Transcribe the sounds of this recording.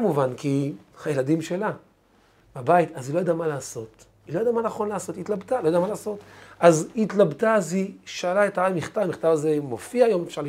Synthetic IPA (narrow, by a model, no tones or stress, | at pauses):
muvankihajeladimʃe̞la | babait̪azilojadamalaːso̞t | ilo̞jad̪amanaχo̞nlaːso̞tiːt̪labt̪alojdamalaːso̞tʔazitlabtaaziʃaːlaetaajmiχt̪avamiχtavazemo̞fiaːjo̞mefʃaʁl